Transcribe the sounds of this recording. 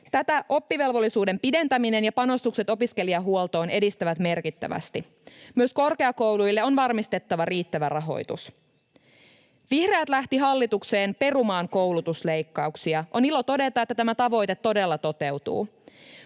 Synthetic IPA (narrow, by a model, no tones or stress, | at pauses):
t̪æt̪æʔo̞pːiʋe̞lʋo̞lːisuːde̞mpide̞nt̪æmine̞njɑpɑno̞st̪ukse̞t̪o̞piske̞liɑɦuolt̪o̞ːne̞dist̪æʋæt̪me̞rkit̪ːæ̰ʋæ̰st̪i | myøsko̞rke̞ɑko̞wlujlːeo̞nʋɑrmist̪e̞t̪ːɑʋɑriːt̪ːæʋærɑɦo̞̰jt̪ṵs | ʋihreæt̪læht̪iɦɑlːit̪ukse̞ːnpe̞rumɑːŋko̞wlut̪usle̞jkːɑuksiɑʔo̞nilot̪o̞de̞t̪ɑet̪ːæt̪æmæt̪ɑʋo̞jt̪et̪ːo̞de̞lːɑt̪o̞t̪e̞wt̪ṵː